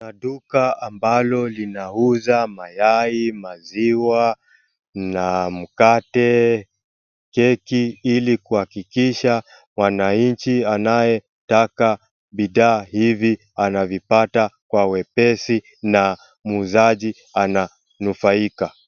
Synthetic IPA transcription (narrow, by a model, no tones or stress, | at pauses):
naɗukaambalɔlinauzamajaimaziwa | nam̩katɛ | kɛkiilikuhakikiʃa | mwanaɲt͡ʃianajɛ | taka | ɓiɗaːhivi | anavipatakwawɛpɛsi | na | muuzaʄi | ana | nufaika